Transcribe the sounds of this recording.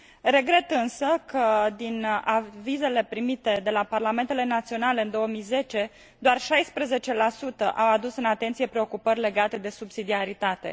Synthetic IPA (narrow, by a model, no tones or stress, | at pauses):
re̞ɡɾe̞t̪ɨnsəkʰəd̪inavize̞le̞pɾimit̪e̞d̪e̞laparlame̞nt̪ele̞nat̪sio̞nale̞ɨnd̪o̞wəmijze̞t͡ʃe̞ | d̪oarʃajspɾeze̞t͡ʃe̞lasut̪əʔawad̪usɨnat̪ent̪sije̞pɾeo̞kupərʲle̞ɡat̪e̞d̪e̞subsid̪iaɾit̪at̪e̞̰